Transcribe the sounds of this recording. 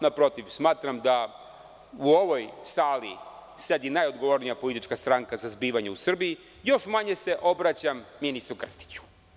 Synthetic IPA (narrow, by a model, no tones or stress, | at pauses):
napɾo̞t̪iʋsmaːt̪ɾamd̪a | uo̞ʋo̞jsaːlḭse̞d̪inajo̞d̪ɡo̞ʋo̞ɾnijapo̞lit̪it͡ʃkast̪ɾaŋkazazbiːʋaɲeusr̩bii | jo̞ʃmaɲe̞se̞ʔo̞bɾat͡ɕamːinist̪ɾukr̩st̪i̥t͡ɕu̥